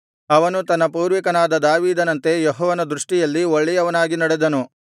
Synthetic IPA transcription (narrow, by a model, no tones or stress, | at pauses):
ɐʋɐnut̪ɐnːɐpuːɾʋikɐnaːd̪ɐd̪aːʋiːd̪ɐnɐnt̪e̞jɔɦɔːʋɐnɐd̪ɾuʂʈijɐlːioɭːɛjɐʋɐnaːɡinɐɽed̪ɐnu